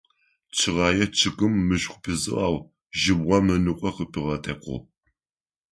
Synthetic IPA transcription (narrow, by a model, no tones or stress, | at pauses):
t͡ʃʰɨʁɑːjɛt͡ʃʰɨkɨmːɨɕʷʼχʷʊpʰɨzɨ̰ʔaːw | ʒɪbʁʷɐmɨnɨqʷʼɔqəpʰɨʁɐtʰɐqʷʰʊ̰